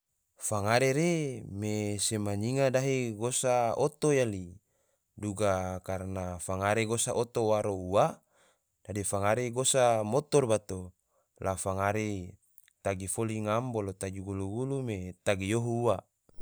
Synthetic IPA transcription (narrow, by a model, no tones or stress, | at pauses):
faŋaɾeɾemesemaɲiŋadaɦeɡosaot̪ojali | duɡakarnafaŋaɾeɡosaʔot̪owaɾoua | d̥adifaŋaɾeɡosamot̪ɔrbat̪o | lafaŋaɾe | t̪aɡifoliŋambolot̪ad͡ʒuɡuluɡulumet̪aɡijoɦuua